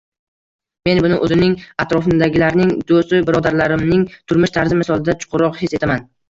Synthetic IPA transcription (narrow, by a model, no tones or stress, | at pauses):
me̞nbʊnɪʔɵzɪnɪŋat̪ɾɒfɪnd̪aɡʲɪlaɾnɪŋd̪ost̪ɪbɪɾɒd̪aɾlaɾɪmnɪŋt̪ʰʊɾmɪʃt̪ʰaɾzɪmɪsɒlˠɪd̪at͡ʃʰʊ̥qʰʊɾɒqhese̞t̪ʰaman